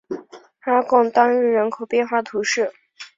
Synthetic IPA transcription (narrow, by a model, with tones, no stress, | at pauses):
a˥kɑ˥˩ŋt̪ɑ˥ŋɻ̩˥˩ɻə˧˥nkʰo˨˩ʊpjɛ˥˧nxwa˥˩t̪ʰu˧˥ʂɻ̩˥˩